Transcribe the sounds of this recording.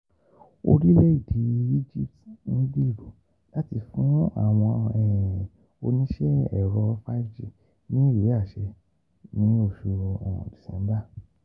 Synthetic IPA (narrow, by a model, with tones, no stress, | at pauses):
o̰˧ɾi˦lɛ˦i˦˨di˨i˦d͡ʒi˦˨p̚tñ̩˦bi˦˨ɾo˨ | la˨˦ti˧fũ˦a̰˨w̃ɔ̃˧ɛ˨ | o˧nĩ˦ʃɛ˦ɛ̰˦˨ɾɔ˧fa˦fd͡ʒi˦˨ | nĩ˦˨ɾe˨˦a˦˨ʃɛ˧ | nĩ˨˦o˦˨ʃo˧ɾɔ̰̃˨di̥˨sɛ̰̃˨˦m˦ba˦˨